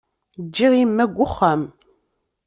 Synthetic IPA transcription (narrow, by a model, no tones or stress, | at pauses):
d͡ʒːiʁimːæɡʷʊχːæm